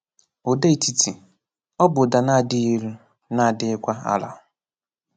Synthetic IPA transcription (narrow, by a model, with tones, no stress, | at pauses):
o˨de˦i˨ti˨tʰi˨ | ɔ˦bʊ˨da˨na˦˨dɪ˦i˦ɾu˦ | na˦a˨dɪ˦ɪ˦kʷa˦a̰˦la̰˨